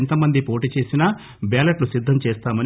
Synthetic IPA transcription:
nt̪ɐmɐnd̪ipo̞ːʈiːt͡ʃe̞ːsinɐ | baːlɐʈlusid̪ʱːɐmt͡ʃeːst̪aːmɐn

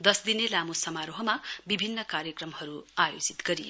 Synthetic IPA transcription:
d̪ʌsd̪inelamusʌmaɾoɦʌmabibʱinːʌkaɾjʌkrʌmhʌɾuajod͡zit̪ɡ̥ʌɾij

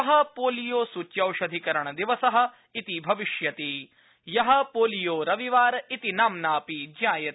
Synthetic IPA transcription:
ɐɦɐpoːlijoːsutːjɐwʃɐd̪ʱikɐɾɐɳɐd̪iʋɐsɐɦɐ̆ | it̪ibʱɐʋiʃjɐt̪iː | jɐɦɐ̆poːlijoːɾɐʋiʋaːɾɐit̪inaːmnaːpid͡ʒaːjɐt̪

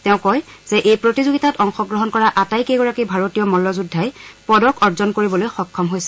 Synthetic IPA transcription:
tɛʊ̃kɔjz̥ɛʔejpɹotizoɡitatɔŋxɔɡɹɔɦɔnkɔɹaʔatajkejɡɔɹakibʱaɹotijɔmɔlːɔzudʱajpɔdɔkɔɹzɔnkoɹibɔlojxɔkʰːɔmɦojsɛ

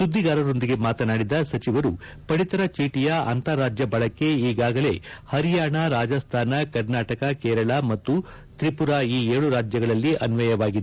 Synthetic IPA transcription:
sud̪ʱːiɡaːɾɐɾo̞nd̪iɡe̞maːt̪ɐnaːɽid̪ɐsɐt͡ʃiʋɐɾu | pɐɽit̪ɐɾɐt͡ʃiːʈijɐɐ̰nt̪ɐɾaːd͡ʒjɐbɐɭɐkːe̞iːɡaːɡɐle̞̰hɐɾijaːɳɐɾaːd͡ʒɐst̪ʰaːnɐkɐɾnaːʈɐkɐkɛːɾɐɭamɐt̪ːu | t̪ɾipuɾaiːeːɭuɾaːd͡ʒjɐɡɐɭɐlːiʔɐnʋɐjɐʋaːɡid̪e

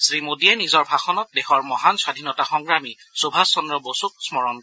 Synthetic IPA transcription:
sɹimodiɛnizɔɹbʱaxɔnɔt̚dexɔɹmɔɦanswadʱinɔtaxɔŋɡɹami | sobʱasɔndɹɔbosuk̚smɔɹɔn

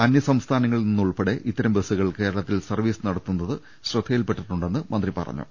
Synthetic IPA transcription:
ɐnjɐsɐmst̪ʰaːnɐŋːɐɭninːuɭpɐɽe̞ʔit̪ːɐɾɐmʋesuɣɐɭke̞ːɾɐɭɐt̪ːilsɐrʋiːsɨnɐɽɐt̪ːunːɐðɨ | ɕrɨd̪ʱːejilpeʈːiʈːuɳɖe̞nːɨmɐnd̪ripɐ̰rɐ̰ɲːṵ

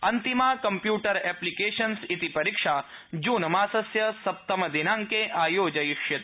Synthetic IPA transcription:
ɐnt̪imaːkɐmpjuːʈɐɾeːplikeːʃɐnsit̪ipɐɾikʂaː | d͡ʒuːnɐmaːsɐsjɐsɐp̚t̪ɐmɐd̪inaːŋkeʔaːjoːd͡ʒɐjʊkʃjɐt̪

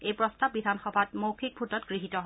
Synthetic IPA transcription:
ejpɹɔstab̚bidʱanxɔbʱatmowkʰik̚bʱutɔtɡ̥ɹiɦitɔɦ

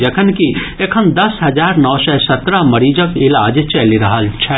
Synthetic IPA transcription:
d͡ʒekʰənki | ekʰənd̪ɐsɦɐd͡ʒaːɾnɔːsɛsɐt̪ɾamɐɾid͡ʒəkɪlaːd͡ʒt͡ʃɐliɾɐɦəlt͡ʃʰɛː

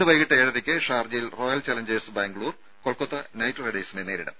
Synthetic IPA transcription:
ɨʋɐjɣiʈːɐeːɽɐðikʲːɨʂaːrd͡ʑɐjilro̞ːjɐlt͡ɕaːlɐɲd͡ʑesbaːŋɡɭuːr | koɭkot̪ːɐnɐjtːreɽɐjsindene̞ːɾiɽɐ̰m

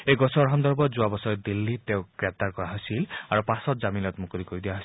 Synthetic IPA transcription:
ejɡɔsɔɹɦɔnd̪ɔɹbɔzuabɔsɔd̪ilːit̪eʊ̃ɡ̥ɹep̚t̪aɹkɔɹaɦojsilaɹupasɔtzaminɔt̪mukuɾikoɹid̪ijaɦos

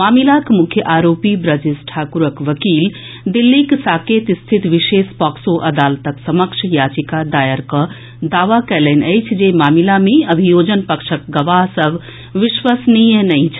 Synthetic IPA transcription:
maːmilakmʊkʰjəʔaːɾoːpibɾəd͡ʒisʈʰaːkuɾəkʋəkiːl | d̪ilːiksaːkeːt̪ist̪ʰit̪ʋiʃeːspɔksoʔɐd̪aːlt̪əksɐməkʃʰjaːt͡ʃikad̪aːjəɾkə | d̪aːʋakɛlenəjt͡ʃʰd͡ʒemaːmilameɐbʱijoːd͡ʒənpəkʃək̚ɡɐʋaɦsəb | ʋiʃʋəsnijənəjt͡ʃʰ

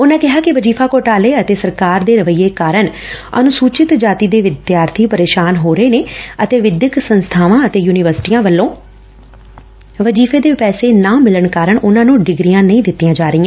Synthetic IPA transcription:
ʊnãːkɪɦaːkɪʋəd͡ʒiːpʰaːkoːʈaːleːət̪eːsəɾkaːɾd̪eːɾəʋəijːeːkaːɾəɳ | ə̰nʊsuːt͡ʃɪt̪d͡ʒaːt̪iːd̪eːʋɪd̪jaːɾt̪ʰiːpəɾeːʃaːnɦoːɾəeːneːət̪eːʋɪd̪jəksənst̪ʰaːʋãːət̪eːjuːnɪʋəɾsɪ̥ʈiːãːʋəlːõː | ʋəd͡ʒiːfʰeːd̪eːpɛːseːnãːmɪləɳkaːɾəɳʔʊnãːnũːɖɪɡɾijãːnəĩːd̪ɪt̪ːijãːd͡ʒaːɾəiːãː

